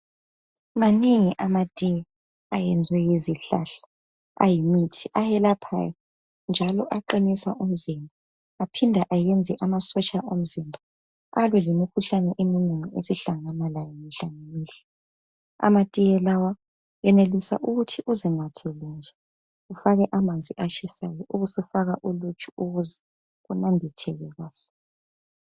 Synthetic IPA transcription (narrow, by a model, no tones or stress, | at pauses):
maneŋiʔamatʼijɛ | ajɛnd͡zʱwɛjeziɬaɬḁ | a̰jimitʰiʔajɛlapʰa̰jɔ | nd͡ʒʱalɔʔaǃinisaʔum̩zimbʱaː | pʰindʱaʔajɛnd͡zʱɛʔamasɔt͡ʃʼaʔom̩zimbʱa | alɛlimikʰuɬanɛʔemineŋiesiɬaŋanalajɔmiɬaŋeniːɬɛ̥ | a̰matʼijɛlawa | jɛnelisa̰ʔuɣutʰiʔuziŋatʰɛlɛnd͡ɮʱa | ufaɣɛʔamand͡zʱiʔat͡ʃʰisajɔʔuɣusifaɣaʔulut͡ʃʼuuɣuzɛ | ɣunambʱitʰɛɣɛɣwaːfḁ